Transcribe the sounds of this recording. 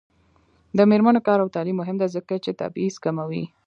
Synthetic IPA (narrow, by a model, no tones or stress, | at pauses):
d̪əmeɾmanokɑɾawt̪ɑlimːʊɦɪmd̪azəkat͡ʃet̪a̰bizkamawḭ